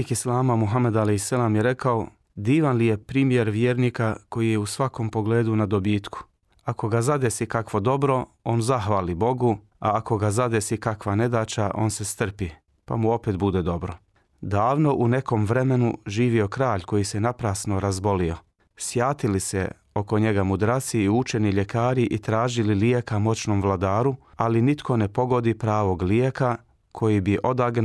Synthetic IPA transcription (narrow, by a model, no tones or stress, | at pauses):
ikislˠaːmamuɦamed̪alehsːalaːmjeɾe̞kao | d̪iːʋanlijepɾiːmjeɾʋjeːɾniːkako̞jijeusʋako̞mpo̞ɡleːd̪unad̪obiːt̪ku̥ | ako̞ɡazad̪e̞sikakʋo̞d̪o̞bɾo̞ | o̞ːnzaxʋaːlibo̞ɡu | a̰ako̞ɡazad̪e̞sikakʋane̞d̪aːt͡ʃaʔo̞̰ːnse̞st̪r̩pi | pa̰muo̞peːt̪bud̪ed̪o̞bɾo̞ | d̪aːʋno̞ʔune̞ko̞mʋɾe̞me̞nuʒiːʋio̞kɾaːʎko̞jise̞napɾaːsno̞ɾazbo̞lio̞ | sjaːt̪ilisḛ | o̞ko̞ɲe̞ɡamud̪ɾasiːut͡ʃe̞niʎe̞kaːɾiʔit̪ɾaːʒililie̞kamo̞t͡ɕno̞mʋlˠad̪aːɾualinit̪kʰo̞ne̞po̞ɡo̞d̪ipɾaːʋo̞ɡlieka | kʰo̞jibiʔo̞d̪aɡn